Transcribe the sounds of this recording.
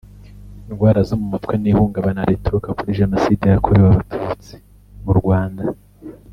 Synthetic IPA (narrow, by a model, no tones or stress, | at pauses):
inɡwaːɾazomumatkwenihuːŋɡaβanaɾetuukakuɾiʒenosidejakʰoɾewaβatʰuːt͡si̥ | muɾɡwaːnda